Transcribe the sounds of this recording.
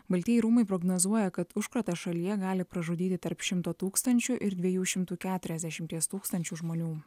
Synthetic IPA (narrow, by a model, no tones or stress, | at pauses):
bɐlʲt̪ʲiɛjɪɾuːmɐɪpɾɔɡnoːzuɔjɛkɐt̪ʊʃkɾɐt̪ɐʃɐlʲijɛɡɑːlʲɪpɾɐʒud̪ʲiːt̪ʲɪt̪ɐɾpʃʲɪmt̪oːt̪uːkst̪ɐnʲt͡ʃʲʊʔɪɾd̪ʲʋʲɛjuːʃʲɪmt̪uːkʲæːt̪ʊɾʲɛzʲd̪ʲɛʃʲɪmʲt̪ʲiɛst̪uːkst̪ɐnʲt͡ʃʲuːʒmoːnʲuː